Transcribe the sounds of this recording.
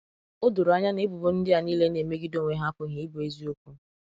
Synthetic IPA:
ʊ˦dʊ˨ɾʊ˨a˦ɲa˦ne˦bʊ˨bo˦n̩˦dɪ˦a˨niː˦le˦ne˨me˦ɡi˦do˦˨ŋʷe˦ɦa˦pʊ˦ɦi˨˦be˦zi˦o˦kʷu˦

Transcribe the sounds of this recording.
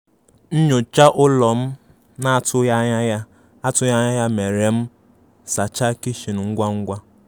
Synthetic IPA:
n̩˦ɲo˨t͡ʃa˦ʔʊ˦lɔ˨m̩˦ | na˦˨tʊ˦a˦a˦a˦ | a˦tʊ˦ja˦ɲa˦ja˦me˨ɾe˨m̩˦ | sa˨t͡ʃa˦ki˦ʃi˨n˨ŋ̩˦ɡʷa˦ŋ̩˦ɡʷa˦

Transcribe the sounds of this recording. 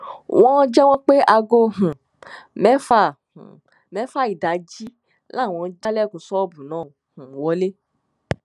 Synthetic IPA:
wʔɔ̃˦d͡ʒɛ˦w̃ɔ̃˦k͡pe˦ʔa˧ɡo˧ɦũ˨ | mɛ˦fa˦˨h | mɛ˨˦fa˦i˨da˨˦d͡ʒi˦ | la˦˨wɔ̃˧˦d͡ʒa˦lɛ˦˨ko˨sɔ˦bũ˨nãː˦˨hũ˨wɔ˨˧˦le˦

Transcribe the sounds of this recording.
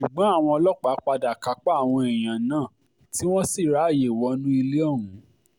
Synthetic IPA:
ʃu˨ɡ͡bɔ̃˨˦a˦˨w̃ɔ̃˧ɔ˧lɔ˦k͡pa˨˦k͡pa˧da˨ka˧k͡pa˦a˦˨w̃ɔ̃˧e˨j̃ã˨nãː˦˨ | ti˦w̃ɔ̃˦si˦˨ɾa˨˦˨je˨wɔ˨˦nũ˦i˧le˦ɔ˦˨ũ˨˦

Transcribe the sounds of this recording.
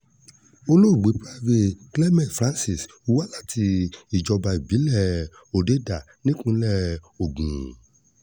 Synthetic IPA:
o˧lo˦u˨ɡ͡be˨˦pɾa˦ve˧klɛ˦mɛ̃˨fɾã˦nsi˨s | u˦wa˦la˦˨tʰi˧i˨d͡ʒɔ˧ba˧i˨bi˨˦lɛ˦˨ | o˨de˦da˨ | nĩ˦kũ˧˦lɛ˦˨o˨ɡũ˨

